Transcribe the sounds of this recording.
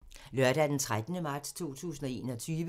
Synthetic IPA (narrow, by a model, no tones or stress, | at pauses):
lɶɐd̥æd̥ent͡sʰʁad̥nəmɑ̈ːd̥st͡sʰo̝̰ːt͡sʰṵːsn̩ɒ̽e̝̰ːnɒ̽t͡sʰyːʋə